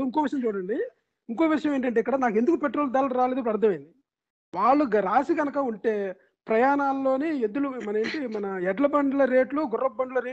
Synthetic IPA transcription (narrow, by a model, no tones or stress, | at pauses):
iŋkoːʋiʂ̬ɐjɐ̃mt͡ʃuːɽɐɳɖi | iŋkoːʋiʂɐjɐmeːɳʈ̬ɐɳʈeːikːɐɽaːnaːk̬ed̪ukupeʈːɾoːld̪aːlɐɾaːleːd̪upɾɐɾt̪ʰːɐmɐjnd̪i | ʋaːɭːuɡɾaːsiɡɐnɐkɐuɳʈe̞ː | pɾɐjaːnaːlːo̞ːnied̪ulumɐneːɳʈimɐnɐɛɖlɐbɐɳɖulɐɾe̞ːʈluɡʊrːɐbɐɳɖulɐɾeː